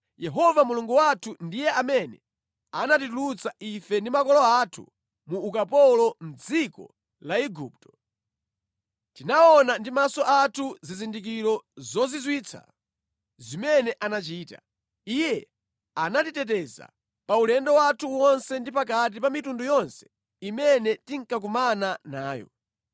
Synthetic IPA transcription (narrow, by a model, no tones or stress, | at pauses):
jɛɦɔvamuluŋɡuwatʰundijɛamɛnɛ | anatitulut͡sʰaifɛndimakɔlɔatʰṵ | muːkapɔlɔm̩d͡zikɔ̰ | laiɡup̚tɔ̥ | tinaɔnandimasɔʔatʰuzizindik̬iɾɔzɔzizwiːt͡sʰa̰ | zimɛnɛʔanat͡ʃiːta | ijɛ | anatitɛt̬ɛza̰ | paulɛndɔwatʰuwɔnsɛndipak̬at̬ipamitundujɔnsɛ̥ | imɛnɛtiŋ̩kak̬umananaːjɔ̰